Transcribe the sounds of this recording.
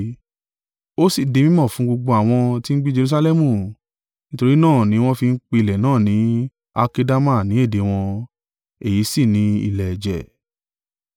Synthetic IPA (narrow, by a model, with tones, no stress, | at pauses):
o˦si˦˨de˨˧mĩ˦mɔ̃˦˨fũ˨˦ɡ͡bo˧ɡ͡bo˧a˨w̃ɔ̃˧ti˦n̩˦ɡ͡bi˦d͡ʒe˧ɾu˧s̬a˧lɛ˦mũ˦˨ | nĩ˦to˧ɾi˦nãː˦˨nĩ˨˦w̃ɔ̃˦fi˧n̩˦k͡pe˧i˧˨lɛ˨nãː˦˨nĩ˨˦ | a˧ke˧da˦ma˦˨nĩ˨˦e˦˨de˨˦w̃ɔ̃˧ | e˦˨ji˨˦si˦˨nĩ˨˦ḭ˧˨lɛ˨d͡ʒɛ̰˨